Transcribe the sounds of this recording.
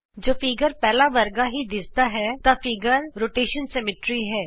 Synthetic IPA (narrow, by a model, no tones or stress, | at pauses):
d͡ʒoːfiɡəɾpɛːlaʋəɾɡaɦid̪ɪsd̪aɦɛːt̪afɪɡəɾɾoːʈeːʃənsɛmɪʈɾiɦɛː